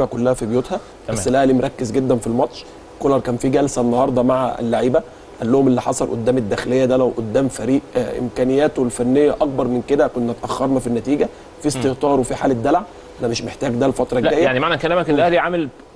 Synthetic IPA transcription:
bækolːæhæfibjoːt̪hæ | bæsːlæhæliːmoɾˤɑkːezɡed̪ːænfilmɑt̪ʃ | kolɑɾˤkæːnfiɡælsæenːɑhɑɾˤd̪ˤɑmaʕa̰ḛlːaʕiːbæ | ʔælːohomelːiħɑsˤɑlʔo̰d̪ːæːmed̪ːæːxelejːæd̪ælæwʔod̪ːæːmfæɾiːʔʔḛmkæːnejːæːt̪oelfænːejːæʔɑk̚bɑɾˤmenked̪ækonːæt̪ʔæxːɑɾˤnɑfinːæt̪iːɡæ | fist̪eht̪ɑːɾwefiħa̰ːled̪ːælʕ | ʔænæmeʃmeħt̪æːɡd̪ælfɑt̪ɾˤɑɡɡæːjːæjaʕnimaʕnækælæːmæklʔæhliʕamel

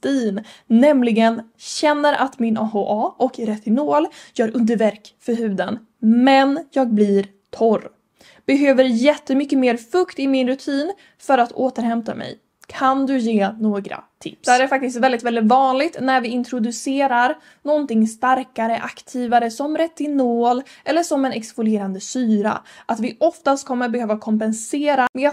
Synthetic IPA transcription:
t̪iːnːɛmlɪɡənɕɛnːəɾʔa̰t̪mɪnʔɑːɦoʔɑːʔɔkɾɛt̪ːɪnoːljœːɾɵnd̪əɾvæɾkfœɾɦʉ̟ːd̪ən | mɛnjɑːɡ̚blɪɾ | t̪ʰɔɾ | b̥ɛɦøːvəɾjɛt̪ːəmʏkːəmeːɾfɵkt̪ɪmɪnɾɵt̪ʰiːn | fœɾat̪ʰoːt̪əɾhɛmt̪amɛ̰j | kʰand̪ɵjeːnoːɡɾa̰t̪ʰɪ̰pːsd̪æːɾæɾfak̚t̪ɪst̪vɛld̪ɪt̪vɛlɪt̪vɑːnlɪɡt̪næɾvɪɪnt̪ʰɾʊd̪ɵseːɾaɾ | nɔnt̪ɪŋst̪aɾkaɾəʔakt̪ʰiːvaɾəsɔmɾɛt̪ːɪnoːlʔɛlːəʂɔmɛnɛksvʊleːɾand̪əsyːɾa̰ʔat̪vɪʔɔft̪ast̪̚kʰɔmːəɾbɛhøːvakʰɔmpɛnseːɾamɛ

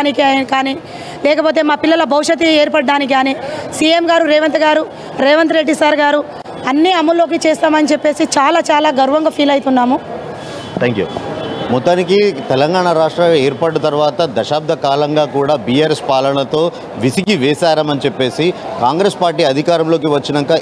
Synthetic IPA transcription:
nikikaːniː | lɛːk̬ɐpo̞ːt̪eːmaːpilːɐlɐbʱɐwʂɐt̪̬ieːɾpɐɽɖaːnik̬iɡaːniːsiːemɡaːɾuɾɛːʋɐnt̪ɐɡaːɾu | ɾɛːʋɐnt̪ɾeɖːisaːɾɡaːɾu | ɐnːiɐmːɐlːo̞ːk̬it͡ʃeːst̪aːmɐnit͡ʃepːe̞ːsit͡ʃaːlaːt͡ʃaːlaːɡɐɾuʋɐŋɡɐpʰiːlɐjit̪unːaːmu | t̪ʰeːŋkjṵmɔt̪ːaːnikit̪ɛlɐŋɡaːɳɐɾaːʂʈɾɐeːɾpɐːɽɐt̪ɐɾʋaːt̪ɐd̪ɐʃaːb̚d̪ʱɐkaːlɐŋɡaːkuːɽaːbiːjaːɾespaːlɐɳɐt̪o̞ː | ʋisikiʋɛːsaːɾɐmɐnit͡ʃepːe̞ːsikaːŋɡɾespaːɾʈiːɐd̪ʱikaːɾɐmlo̞ːk̬iʋɐt͡ʃːinɐŋkɐ

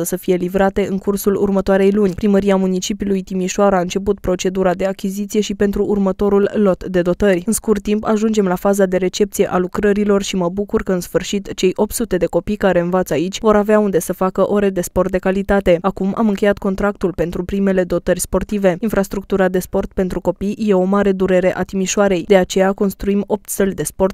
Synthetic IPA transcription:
əsəfije̞livɾat̪e̞ʔɨŋkursulṵrmət̪oaɾe̞jlunʲpɾiməɾiamunit͡ʃipiulujt̪imiʃoaɾaɨnt͡ʃe̞put̪pɾo̞t͡ʃe̞d̪uɾad̪e̞akʲizit̪sije̞ʃipe̞nt̪ɾuʔːrmət̪o̞ɾulːo̞t̪d̪e̞d̪o̞t̪ərʲɨnskurt̪impaʒund͡ʒe̞mlafazad̪e̞ɾe̞t͡ʃe̞p̚t̪sije̞ʔalukɾəɾilo̞rʃiməbukurkəɨnsfɨrʃit̪t͡ʃe̞jʔo̞p̚t̪sut̪e̞d̪eko̞pijkaɾe̞ɨnvat̪sait͡ʃʲvo̞ɾaveaund̪e̞səfakəʔo̞ɾed̪e̞sport̪̚d̪e̞kalit̪at̪e̞akumʔa̰mɨŋkʲe̞jat̪ko̞nt̪ɾakt̪ulpe̞nt̪ɾupɾime̞le̞d̪o̞t̪ərʲspo̞rt̪ive̞infɾast̪ɾuk̚t̪uɾad̪e̞spo̞rt̪̚pe̞nt̪ɾuko̞pijje̞o̞maɾe̞d̪uɾe̞ɾe̞ʔat̪imiʃoaɾe̞jd̪e̞at͡ʃe̞jako̞nst̪ɾuimo̞p̚t̪səlʲd̪e̞spo̞rt̪

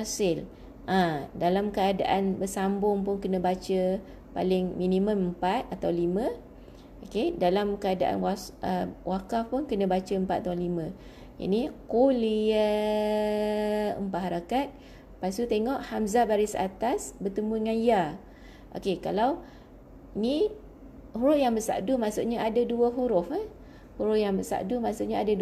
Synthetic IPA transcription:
asɪl | ʔãdalamkəada̰ʔanbəsambʊŋpʊnkənə̃bat͡ʃə | pa̰lɪŋminĩmə̃məmpat̪̚at̪awlimə̃ | ʔokedalamkəada̰ʔa̰nwaəwakafpʊnkənə̃bat͡ʃəəmpat̪̚at̪ãlimə̃ | ja̰nikoliə | əmpaʔɦaɾakat̪̚ | pasut̪eŋɔʔhamzabaɾisa̰t̪asbət̪əmuəŋãnja | ʔo̰kekalaw | ini | huɾʊfjaŋbəsa̰ʔdumasuʔɲaʔadaduəɦuɾʊfa | huɾʊfjaŋbəsa̰ʔdumaʔsuʔɲaada

